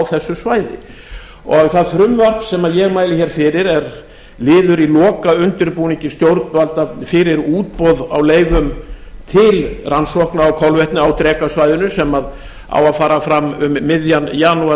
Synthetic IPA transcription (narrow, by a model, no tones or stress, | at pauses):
awθɛsːʏsvaːjðɪ̰ | ɔɣθaðθɾʏmvar̥k̪sɛmaðjɛɣmaːjlɪçɛːɾ̥fɪɾɪɾɛɾ | lɪːðʏɾilɔːkaʏnt̪ʏɾpuːniɲcɪst̪jowɾt̪nvalt̪afɪɾɪɾuːt̪̚pɔða̰wleːjvʏmt̪ʰɪlransɔhknaɔwkʰɔwlvɛht̪nʏawt̪ɾɛːkasvajðɪnʏsɛmað | a̰waðfaːɾafɾamːʏmːɪðjanjaːnua